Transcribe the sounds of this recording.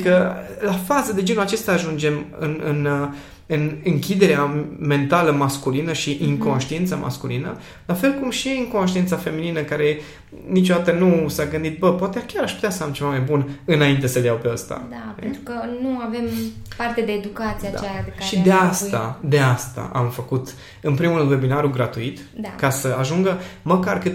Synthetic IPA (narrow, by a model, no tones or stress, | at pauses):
kəlafazəd̪e̞d͡ʒe̞nulat͡ʃe̞st̪aːʒund͡ʒe̞mɨ̰nɨn | ɨnɨŋkʲid̪e̞ɾeame̞nt̪aləmaskulinəʃiʔiŋko̞nʃt̪ient̪samʔa̰skulinə̰ | lafe̞lkumʃiiŋko̞nʃ̬t̪ient̪safe̞mininəkaɾe̞ | nit͡ʃo̞d̪at̪ənusaɡɨnd̪it̪̚bəpoat̪eakʲaɾaʃput̪ʲasəamt͡ʃe̞vamajbunɨnaint̪e̞səljawpeast̪a̰d̪aent̪ɾukənuave̞mpart̪ed̪e̞ːd̪ukat̪siad̪t͡ʃaeaaeʃid̪east̪a̰d̪e̞ast̪a̰ʔa̰mfəkut̪ | ɨnpɾimuɾɨnd̪we̞binaɾuɡɾat̪uit̪ | d̪akasəaʒuŋɡəməkarkɨt̪